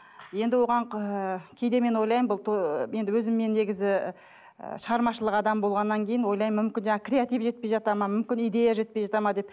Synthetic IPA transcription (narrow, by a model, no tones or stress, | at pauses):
je̞nd̪ɪwo̞ʁɑɴkʲʰe̞jd̪e̞me̞nwo̞jlˠɑjmbʊlˠt̪ʰoje̞nd̪ɪwɵzɪmːe̞nːe̞ɡʲɪzɪ̰ | ʃəʁɑɾmɑʃəlˠəqɑd̪ɑmbo̞lˠʁɑnːɑŋkʲʰejɪnwojlˠɑjmːʏmkʲɪnʒɑɴɑkrʲe̞at̪ijvʒe̞t̪̚pe̞jʒɑt̪ɑmɑmʏmkʲɪnijd̪e̞jaʒe̞t̪̚pejʒɑt̪ɑmɑd̪e̞p